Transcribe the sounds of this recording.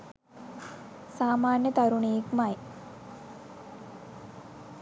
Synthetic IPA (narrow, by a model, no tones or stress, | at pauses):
saːmaːnjət̪aɾuɳejekmaj